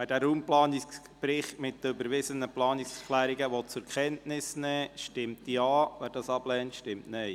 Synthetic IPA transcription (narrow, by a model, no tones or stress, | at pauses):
ɛd̥æːɾuːmplɑːniks | pɾɪχtmɪt̚ːəøbəɾʋɪzənəplɑːnɪkskʰlæːɾiɡəʋɔt͡sʊɾkʰɛntnɪsnɛːʃtɪmtdiɑːʋæːɾd̥ɑsɑb̥lɛːntʃtɪmtnɛj